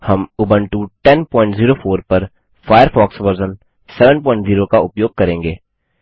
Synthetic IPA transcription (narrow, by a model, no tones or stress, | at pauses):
hɐmʊbəɳʈuʈɛnpɔ̃ːɪ̃ɳʈziːɾoːfoːɾpɐɾ | faːjəɾfɔːksʋəɾzən | sɛʋə̃npɔ̃ːɪ̃ɳʈziːɾokaʊpjoːɡ̚kɐɾẽːŋɡeː